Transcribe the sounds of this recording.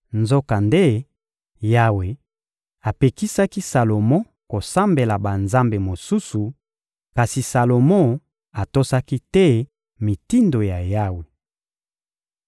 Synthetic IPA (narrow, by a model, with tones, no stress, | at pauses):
nzo˦ka˨nde˦ | ja˦we˨ | a˨pe˨ki˦sa˦ki˦sa˨lo˨mɔ̃˦ | ko˨sa˦mbe˨la˨ba˨nza˦mbe˨mo˨su˦su˨ | ka˨si˨sa˨lo˨mɔ̃˦ | a˨to˦sa˦ki˦tɛ˦ | mi˨ti˦ndo˨ja˨ja˦we˨